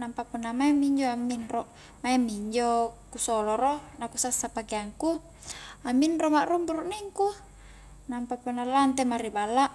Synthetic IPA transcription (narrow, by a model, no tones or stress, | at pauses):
nampapunːamaemiɲd͡ʒoamːinro | maemiɲd͡ʒokusoloɾonakusasːapakeaŋku | aminromaʔrumbuɾuʔniŋku | nampapunːalant̪emaɾibalːaʔ